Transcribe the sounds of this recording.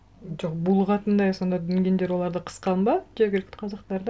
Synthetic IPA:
d͡ʒoqbulˠʁɑt̪ənd̪ɑjso̞nd̪ɑd̪ʏŋɡʲe̞nd̪e̞ɾwo̞lˠɑɾd̪əqʰə̥sqɑnbɑd͡ʒeɾɡʲɪlkʲt̪qʰɑzɑqt̪ɑɾd̪

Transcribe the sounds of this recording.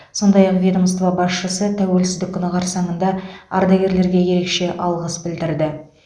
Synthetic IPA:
so̞nd̪ɑjɑqvʲed̪omst̪ovɑbɑsʃəsət̪ʰæwe̞lsɪzd̪ɪkʲʰːʊnɑʁɑɾsɑɴənd̪ɑɑ̰ɾd̪ɑɡʲe̞ɾle̞ɾɡʲe̞je̞ɾe̞kʃe̞ʔɑlˠʁəsbɪld̪ɪɾd̪ɪ

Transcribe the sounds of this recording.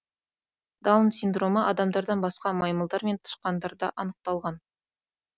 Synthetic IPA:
d̪̥ɑwnsʲind̪ro̞məʔɑd̪ɑmd̪ɑɾd̪ɑnbɑsqɑmɑjməlˠd̪ɑɾme̞nt̪ʰə̥ʃqɑnd̪ɑɾd̪ɑʔɑnəq̚t̪ɑlˠʁɑn

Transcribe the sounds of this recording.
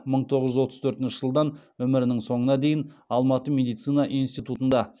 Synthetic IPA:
məɴt̪ʰo̞ʁəʒʏzwo̞t̪əzt̪ʰɵɾt̪ɪnʃɪʒəlˠd̪ɑnwɵmɪɾɪnɪŋso̞ɴənɑd̪e̞jɪnɑlˠmɑt̪əmʲe̞d̪ijt̪sijnɑʔijnst̪ijt̪ut̪ənd̪ɑ

